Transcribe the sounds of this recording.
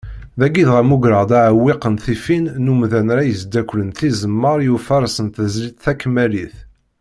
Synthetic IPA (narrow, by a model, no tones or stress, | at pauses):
ðæɡiðʁæmuɡɾəʁd̪æʕwːiqənθifinːumðænɾæjəzd̪ækʷːlənθizəmːəɾˤjufɑɾˤsənθəzlit̪θækːmæliθ